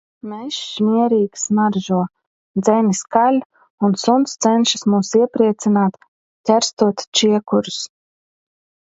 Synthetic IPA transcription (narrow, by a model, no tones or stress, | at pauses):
mɛʃmʲiɛɾiːksmaɾʒuɔ | d̪zɛnʲiskalʲ | unsunt̪st̪sɛnʲʃi̥smuːsiɛpɾiɛt̪sinaːt̪ | t̪ʲæɾst̪uɔt̪ʲt͡ʃiɛkuɾʊs